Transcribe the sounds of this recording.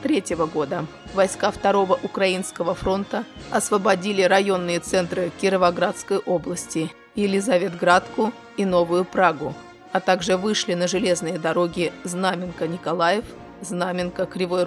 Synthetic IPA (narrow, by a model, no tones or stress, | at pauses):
t̪ɾʲetʲjɪvəɡo̞d̪ə | vɐjskaft̪ɐɾo̞vəʔʊkɾɐinskəvəfɾo̞nt̪əɐsvəbɐdʲilʲɪɾɐjo̞nːɨjət̪sɛnt̪ɾɨkʲɪɾəvɐɡɾat̪skəjʔo̞blˠəsʲtʲɪ | ɪlʲɪzɐvʲe̞t̪ɡɾat̪kʊ | ino̞vʊjʊpɾaɡʊ | ɐt̪aɡʐɨvɨʂlʲɪnəʐɨlʲe̞znɨjəd̪ɐɾo̞ɡʲɪznamʲɪnkənʲɪkɐlˠajɪf | znamʲɪnkəkɾʲɪvo